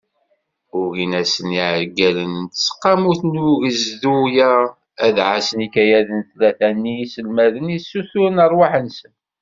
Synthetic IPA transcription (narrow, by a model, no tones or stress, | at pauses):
ʊɣinæsəniʕəɾɡælənt̪sːə̥qːɑmuθnuʝəzðujæ | æðʕasənikæjæðənθlæθænːisəlmæðənisːuθuɾnəɾˤwaħənsən